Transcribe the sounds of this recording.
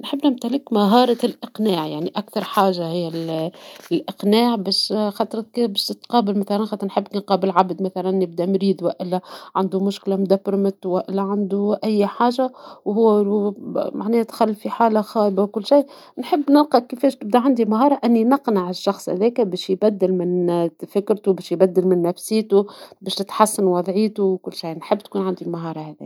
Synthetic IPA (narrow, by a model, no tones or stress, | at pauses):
nħɪbːnɪmt̪ælɪkmaɦɑːɾˤɑlʔɪqnaːʕjaʕniʔakt̪ɑɾˤħaːʒahɪjːæl | lʔɪqnaːʕbæːʃxɑt̪ˤɾˤkbæʃt̪qɑːbɪlmæθalænxɑt̪ːˤɾnħɪbːknqɑːbɪlʕabd̪mæθalænːɪb̚d̪ænɾiːd̪waʔɪlːæʕand̪umʊʃklamd̪apɾmɪt̪waʔɪlːæʕand̪uʔæjːħaːʒawhʊwːumaʕnɛːt̪xalːfiħaːlaxɑːbawkʊlːʃaj | nħɪbːnɪlqɑkːɪfɛːʃt̪ɪb̚d̪aʕand̪imaɦɑːɾˤɑʔɪnːinɪqnaʕɪʃːɑxsˤhæ̰ðɛːkabɛːʃjbæd̪ːɪlmɪnt̪fɪkːɾt̪ubɛːʃjbæd̪ːɪlmɪnːæfsiːt̪ubɛːʃt̪ɪt̪ħasːanwɑðˤʕiːt̪uwkʊlːʃajnħɪbːt̪kuːnʕand̪imaɦɑːɾˤɑhæðḭː